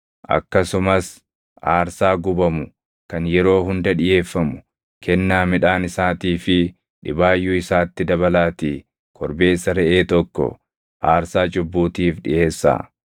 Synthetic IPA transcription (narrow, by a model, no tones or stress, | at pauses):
ʔɐ̰kːɐsʊmɐs | ʔaːɾsaːɡʊbɐmʊ | kɐnjɛɾo̞ːɦʊnd̪ɐᶑɪje̞ːfːɐmʊ̥ | kʰɛnːaːmɪᶑaːnɪsaːt̪iːfɪ | ᶑɪbaːjːuɪsaːt̪ːɪd̪ɐβɐlaːt̪iː | kʰɔɾbe̞ːsːɐɾɛʔeːt̪ɔkːɔ̰ | ʔaːɾsaːt͡ʃʼʊbːuːt̪iːfᶑɪ̰ʔe̞ːsːa̰ː